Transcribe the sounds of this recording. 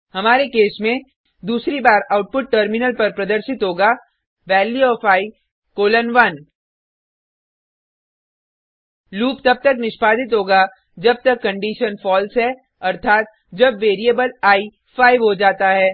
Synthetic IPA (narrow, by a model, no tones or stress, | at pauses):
hɐmaːɾekeːsmẽ | d̪uːsɾibaːɾaːʊʈ̚pʊʈʈəɾmɪnəlpɐɾpɾɐd̪əɾʃɪt̪ɦoːɡa | ʋɛːljuɔːfaːi | koːlənʋɐn | luːpt̪ɐb̚t̪ɐknɪʃpaːd̪ɪt̪ɦoːɡa | d͡ʒɐb̚t̪ɐkːɐ̃ɳɖiːʃənfɔːlsɦɛ | ɐɾt̪ʰaːt̪̚ | d͡ʒɐbʋeːɾiəbəlaːi | faːɪʋɦod͡ʒaːt̪aɦɛː